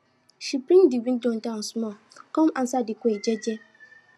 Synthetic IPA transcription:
ʃipɾĩndiɡĩndɔ̃ndãnsmɔ̃ | kɔ̃mãn̩sadɪkʷeed͡ʒɛd͡ʒɛ

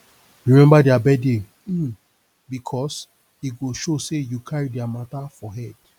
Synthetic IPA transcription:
ɹimɛ̃mbadiabɛde | bikʰɔs | iɡoʃosejukʰaɹidɛamatafɔɦɛd̥

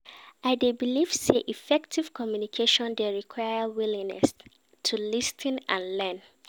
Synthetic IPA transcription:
aɪdebiliv̥seʔifɛk̚tʰiv̥kʰɔmjunikʰeʃɔ̃ndeɹikʰwajəwilĩŋnɛ̰s | tʰulistʰĩnã̰nlɛ̃n

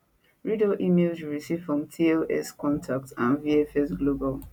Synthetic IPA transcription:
ɹidoʔimelswɹisiv̥fɹɔ̃mtʰioʔɛskɔ̃ntʰak̚tãnviɛfɛsɡlobal

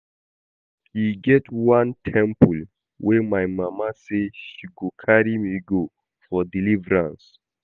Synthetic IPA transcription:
hiɡɛtwãntʰɛ̃mpul | wʔɛmajmamaseʃiɡokʰaɹimiɡo | fɔdilivɹãns

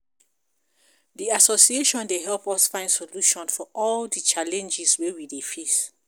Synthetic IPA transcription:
diasosieʃɔ̃ndeɦɛlpɔsfãɪ̃nsoluʃɔ̃nfɔʔɔldit͡ʃalɛ̃nd͡ʒiswewidefis

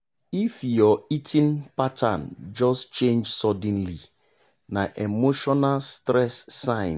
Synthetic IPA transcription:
ifjɔitʰĩnpatʰa̰nd͡ʒɔst͡ʃẽnd͡ʒsɔdɛ̃n̩li | naʔemoʃɔnalstɾɛsːãɪ̃n

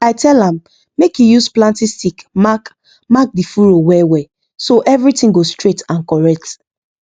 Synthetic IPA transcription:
aɪtɛlãmː | ekjujusplãntistikmak | mak̚difuɹowɛwɛ | soʔɛvɹitĩŋɡostɹetãnkɔɹɛk̚t

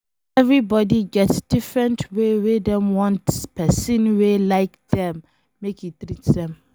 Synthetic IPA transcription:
ɛvɹibɔdiɡɛtsdifɹɛ̃ntʰwewedɛ̃mwɔ̃ntspɛsĩnwelaɪk̚dɛ̃mː | ekitɹitsdɛ̃m

